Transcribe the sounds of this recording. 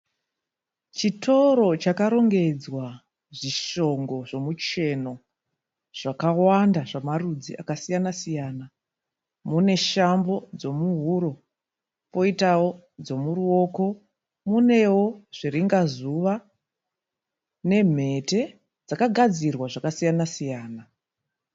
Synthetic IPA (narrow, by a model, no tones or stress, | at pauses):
t͡ʃitʰo̞ɾo̞t͡ʃakaɾo̞ŋɡe̞d͡zwa | ʐiʃo̞ŋɡo̞ʐomut͡ʃe̞no̞ | ʐ̥akawandaʐamarud͡zḭʔa̰kasijanasijaːna | mune̞ʃambo̞d͡zo̞muɦuɾo̞ | po̞itawo̞ | d͡zo̞muruo̞ːko̞ | mune̞wo̞ʐ̥iɾiŋɡazuʋa | ne̞m̤e̞te̞ | d͡zakaɡʱad͡zirwaʐakasijanasijaːna